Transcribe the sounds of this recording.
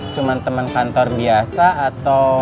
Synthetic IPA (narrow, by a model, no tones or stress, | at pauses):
t͡ʃumant̪əmankant̪ɔrbiasaːt̪aw